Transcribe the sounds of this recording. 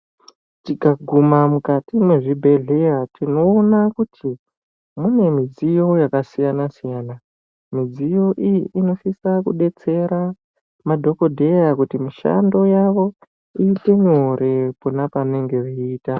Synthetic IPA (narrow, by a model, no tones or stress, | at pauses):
tikaɡʱumamukatimwe̞ʐibʱe̞ɮe̞jatino̞ːnakutʰi | mune̞mid͡zijo̞jakasijanasijaːna | mid͡zijo̞ʔijiʔino̞sisakuɗe̞t͡se̞ɾa | madʱo̞ko̞dʱe̞jakutimiʃa̰ndo̞jaʋo̞ | iːte̞ɲo̞ɾe̞ponapane̞ŋɡe̞riːta